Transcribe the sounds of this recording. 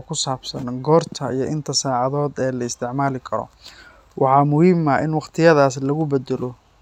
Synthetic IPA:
kʰʊsaːb̥sɐnɡɔːrt̪ʰɐijɞʔɪnt̪ʰɐsaːʕɑðɔːd̪ɛːlɐɪst̪ʰɪʕmaːlɪkʰɐɾɔ̰ | wʔɑħɑːmʊhiːmɐʔɪnwɑχqt̪ʰɪjɐðaːslɐɣʊbɛd̪ɛlɔ

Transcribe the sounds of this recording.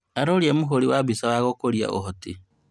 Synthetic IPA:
aɾoɾjemuɦoɾiwaβisawaɣokoɾia̰ʔo̰ɦoti

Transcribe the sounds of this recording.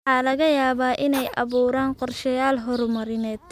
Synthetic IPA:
ħɑːlɐɣɐjaːβaːʔɪnɛjʔɑ̰βuːɾaːnqɔrʃɐjaːlɦɔɾmɐɾɪnɛːd̪

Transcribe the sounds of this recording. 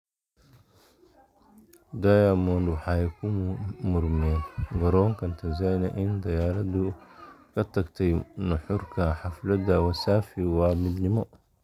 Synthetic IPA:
d̪ajamɔːndwħajɛkʰummʊɾmɛɡɐɾɔːŋkɐnt̪ʰɐzajnɐʔɪnd̪ɐjaːɾɐd̪ukʰɐt̪ɐɡt̪ʰɛjnʊħʊɾkʰɐħaflɐd̪ɐwɐsaːfiwaːmɪd̪nɪmɔ

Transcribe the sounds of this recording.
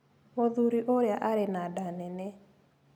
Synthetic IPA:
moðuɾiʔoɾjaʔaɾɛnadanɛnɛ

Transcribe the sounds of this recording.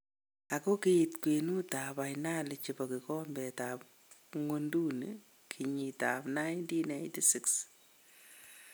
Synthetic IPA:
akokeitkwenutapajnalɪt͡ʃipɔkikɔmbɛtap̚ | ŋondun | kʰiɲitapnajntinejntisiks

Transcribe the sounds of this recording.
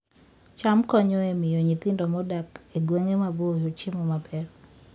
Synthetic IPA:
t͡ʃamkɔɲɔemɪjɔɲit̪ɪndɔmɔdakeɡweŋemabojot͡ʃɪmɔmabɛr

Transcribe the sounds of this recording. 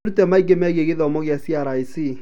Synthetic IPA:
ɾutɛmaiɡemɛɣeɣeðɔmoɣjasiaɾaisi

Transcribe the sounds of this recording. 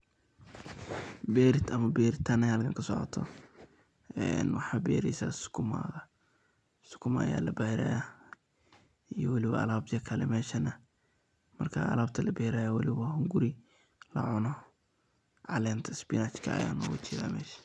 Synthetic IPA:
bɛːɾɪt̪ɐmɐbɛːɾɪt̪ʰɐnɐjaːlɐkʰɐŋkʰɐsɔʕɔ̰t̪ʰɔ̰ | ɛ̰nwɑħabɛ̰ːɾɛsɐ̰sʊ̥kʰʊma̰ɣɐ | sʊ̥kʰʊmɐ̰ja̰ːlɐbaɾa̰ja | ijɔwɐlɪwɐ̰ʔɐ̰laːbjɐkʰɐlɛmɛːʃɐnɐ | mɐrkʰa̰ɐ̰laːbt̪ʰɐlɐbɛːɾajawɐlɪwɐhʊŋɡʊɾɪ | lɐ̰ʕʊnɔ | ʕɑ̰lɛːnt̪ʰɐsbɪnat͡ʃkʰɐɐ̰ja̰ːnɔ̰ːwʊ̰t͡ʃʰiða̰ːmɛ̰ːʃɐ̥

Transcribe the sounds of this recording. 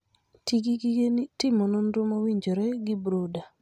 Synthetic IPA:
tiɡiɡetɪmononɾomowiɲd͡ʒoɾɛɡɪbɾuda

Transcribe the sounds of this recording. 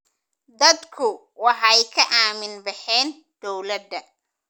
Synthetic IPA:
d̪ɐd̪kʰʊ | wɑħɐjkʰɐʔaːmɪnbɑħɛːn | d̪̥ɔwlɐd̪ɐ

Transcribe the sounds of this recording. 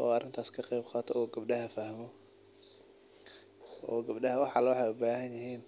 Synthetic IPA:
ʔɔːɐrɪnt̪ʰaːskʰɐqɛjbqɑːt̪ʰɔɔːɡɐb̚ɖɐhɐfɐhmɔ | ʔɔːɡɐbɖɐhɐwɑħɑlɐwɑħɑjʊbaːhɐnjɪɦiːn

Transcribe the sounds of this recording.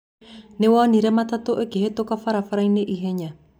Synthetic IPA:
newaniɾamat̪at̪oʔekeɦet̪okafaɾafaɾaineʔiɦeɲa

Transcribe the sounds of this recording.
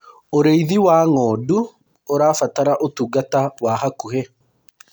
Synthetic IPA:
ɔɾejðiwaːŋoːd̪ʊ | ɔɾaːfɐt̪ɐɾɐʔɔt̪uɡɐt̪ɐwaːhɐkːʊhe

